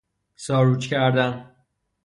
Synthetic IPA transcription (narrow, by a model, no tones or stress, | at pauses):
sɒːɾuːt͡ʃcʰʲæɾd̪æn